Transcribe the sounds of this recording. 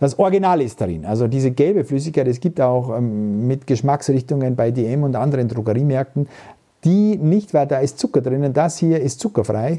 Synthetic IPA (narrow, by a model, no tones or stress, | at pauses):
d̥asʔɔɐɡinaːlɪst̚d̥aʁɪ̰nʔa̰lzodiːzəɡɛlbəflʏs̬ɪçkaɪtɛs̬ɡ̥iːp̚taʊxmɪtɡ̥əʃmaksʁɪçtʊŋənbaɪdeɛmʊntʔandəʁəndʁoɡəʁiːmɛɐk̚tn̩ | d̥iːnɪçtv̥aɪldaːɪstt͡sʊkɐdʁɪnəndashiːɐɪstt͡sʊkɐfʁa̰ɪ